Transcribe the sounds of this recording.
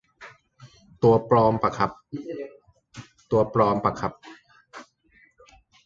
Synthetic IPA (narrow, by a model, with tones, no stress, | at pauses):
t̪u˧ɐpɾɔː˧mpa˧kʰa˧˦p̚ | t̪u˧ɐpɾɔː˧mpa˧kʰa˧˦p̚